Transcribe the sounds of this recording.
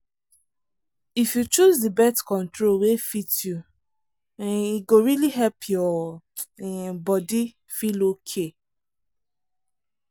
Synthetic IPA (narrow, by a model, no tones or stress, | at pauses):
ifjut͡ʃuzdibɛstkɔ̃ntɹolwefitju | iɡoɹiliɦɛlpʰjɔ | ɛbɔdi | filokʰe